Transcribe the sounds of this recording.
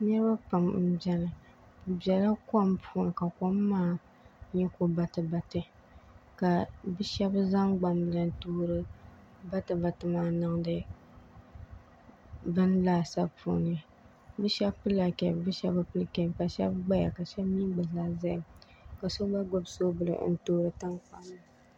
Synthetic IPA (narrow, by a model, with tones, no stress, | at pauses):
ɲɛ˦ba˦pa˨m̩˦bɛ˦nɨ˨ | bɛ˨la˦ka˦m˦pʰu˦nɨ˨ka˨ko˦mː˦aː˦ | ɲɛ˦ko˦ba˨tɨ˨ba˨tɨ˦ | ka˨bɨ˦ʃɛ˦bza˦ŋɡ͡ba˨m˨la˨n˦tuː˦ɾɨ˦ | ba˦tɨ˨ba˨tɨ˨maː˨˦nɨ˦ŋ˦dɨ˦ | bɨ˦n˦laː˦sa˦pṵ˨nɨ˨˦ja˨ | bɨ˦ʃɛ˦bpɨ˦la˨kɛ˨bbɨ˦ʃɛ˦ba˦pɨ˦lɨ˦kɛ˨bka˨ʃɛ̰˦bɡ͡ba˦ja̰˨ka˨ʃɛ˦bmiː˦ɡ͡bɨ˨zaː˦za˦˨m | ka˨so˦ɡ͡ba˦ɡo˦bso˦bɨ˨lɨ̰˨ʔn̩˦toː˦ɾɨ˨ta˦ŋk͡pa˦nːɨ˨